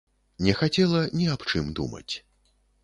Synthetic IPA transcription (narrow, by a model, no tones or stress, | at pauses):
nʲɛxat͡sʲɛlˠɐnʲiapt͡ʂɨmd̪ṵmɐ̰t͡sʲ